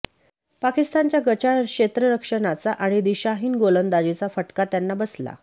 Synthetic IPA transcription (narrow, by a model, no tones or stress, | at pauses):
pakist̪ant͡ɕjaɡət͡ɕakɕet̪ɾəɾəkʂəɳat͡saʔaɽ̃id̪iɕaɦiːnɡolənd̪ad͡ʑit͡safəʈkat̪janːabəsla̰